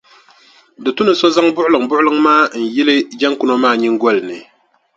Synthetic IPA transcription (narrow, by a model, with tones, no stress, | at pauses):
dɨ˨tʊ˦nɨ˨sɔ˦za˦ŋbʊ˦ʔʊ˦lɨ˨ŋbʊ˦ʔʊ˦lɨ˦ŋmaː˦n̩˨jɪ˦lɨ˦d͡ʒɛ˦ŋkʊ˦nɔ˦maː˦˨ɲi˦ŋɡɔ˦lɨ˨nɨ˨